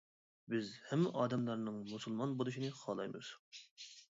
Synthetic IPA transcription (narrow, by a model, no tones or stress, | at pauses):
bɪzhɛmːɪʔɑːd̪ɛmlˠɑɾnɨŋmusulˠmɑnbolˠuʃ̬inɨχɑːlˠɑjmɨ̰z̥